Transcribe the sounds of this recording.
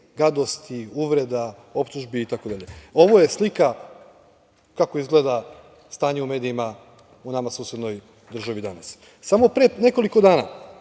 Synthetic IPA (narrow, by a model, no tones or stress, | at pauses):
ɡad̪o̞st̪iuʋɾe̞d̪a | o̞pt̪uʒbiːt̪ako̞d̪aʎeo̞ʋo̞je̞slika | kako̞izɡle̞ːd̪a | st̪aːɲeume̞ːd̪iima | unamasuːsjed̪no̞j | d̪r̩ʒaʋid̪anas | samo̞pɾene̞koliko̞d̪aːna̰